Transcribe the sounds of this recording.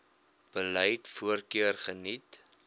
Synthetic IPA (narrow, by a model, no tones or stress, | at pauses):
b̥əlɛjtfuərkiərχənit